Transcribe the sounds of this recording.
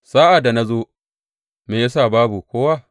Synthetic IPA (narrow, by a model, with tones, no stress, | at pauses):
saː˦ʔa˨da˨na˦zoː˦ | meː˨ja˦sa˦˨baː˦bu˨kʷoː˦wa˦